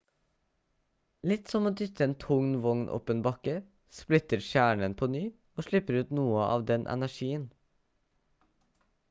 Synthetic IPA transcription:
lɪt̪sɔmoːd̪ʏt̪əeːnt̪ʰʊŋnʋɔŋnʔɔ̰pənbɑkə | splɪt̪əɾʃjæːɳənpʰoːnyː | oːʂɭɪpəɾʉːt̪nuːəʔɑ̰ːʋd̪ɛnʔɛ̰næʂiːən

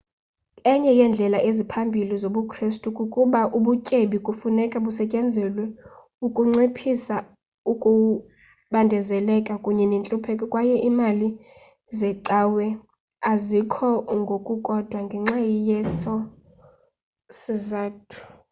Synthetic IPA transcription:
ɛɲɛjɛnd͡ɮʱɛlaʔezipʰambʱilizoɓukʰristʼukʼukʼuɓaʔuɓucʼeɓikʼufunɛkʼaɓusɛcʼɛnd͡zʱɛlwɛ | ukʼuŋ͡ǀipʰisa | ukʼu | ɓandʱɛzɛlɛkʼakʼuɲɛnint͡ɬʼupʰɛkʼɛkʼwajɛʔimali | zɛǀawɛ | azikʰɔŋɡʱokʼukʼɔd̥ʱwaŋɡʱɛŋ͡ǀajijɛsɔ | sizaːtʰu̥

